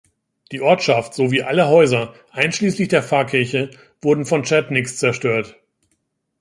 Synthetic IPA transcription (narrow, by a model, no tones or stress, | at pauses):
d̥iːʔɔɐtʃaftz̥oviːʔaləɦɔʏzɐʔaɪnʃliːslɪçd̥eːɐfaːɐkʰɪɐçə | v̥ʊɐdn̩fɔnt͡ʃɛɐtnɪkst͡sɛɐʃtøːɐt